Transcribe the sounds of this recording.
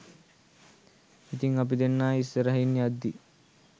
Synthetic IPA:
it̪iŋap̬id̪enːaːisːəɾəɦinːijad̪ːi

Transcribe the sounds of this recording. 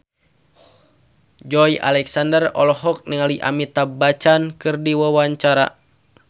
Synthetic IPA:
d͡ʒɔjʔa̰lɛksandərɔ̰lɔɦɔk̚nəŋaliʔa̰mit̪abat͡ʃankɨrdiwawaɲt͡ʃaɾa̰

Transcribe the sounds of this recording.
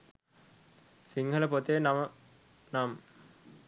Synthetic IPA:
siŋɡʱɐləpot̪enamə | nam

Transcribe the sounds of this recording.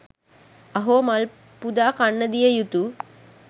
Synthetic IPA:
ɐɦoːmal | pud̪aːkanːəd̪ijəjut̪u

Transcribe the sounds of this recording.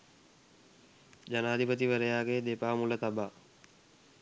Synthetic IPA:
d͡ʒanaːd̪ʱipət̪iʋəɾəjaːɡeːd̪epaːmulət̪abaː

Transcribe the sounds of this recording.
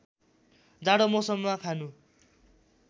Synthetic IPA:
d͡zaɽʌmʌsʌmːakʰanu

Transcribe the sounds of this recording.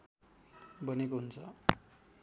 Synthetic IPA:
bʌnekoɦunt͡sʰʌ

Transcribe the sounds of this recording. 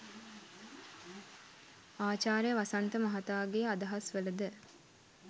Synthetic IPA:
aːt͡ʃaːɾjəʋasɐnt̪əmɐɦat̪aːɡead̪ɐɦasʋələd̪ə

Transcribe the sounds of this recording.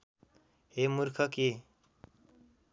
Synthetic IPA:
ɦemuɾkʰʌke

